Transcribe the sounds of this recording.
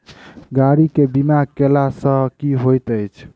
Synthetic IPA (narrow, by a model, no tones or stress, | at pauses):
ɡaɾikebimaɡ̚kelasə̃kiɦojt̪əjt͡ʃʰ